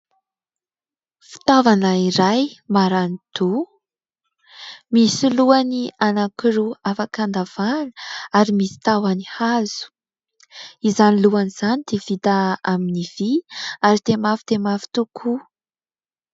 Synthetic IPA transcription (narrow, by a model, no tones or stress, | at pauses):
fi̥t̪avanaiɾajmaɾanit̪u | misiluanianakiɾuafakand̪av̥anəaɾimisi̥t̪awanihazu̥ | izaniluaniz̥anid̪̥evit̪aaminiviaɾit̪emafi̥d̪emafi̥t̪ukʰu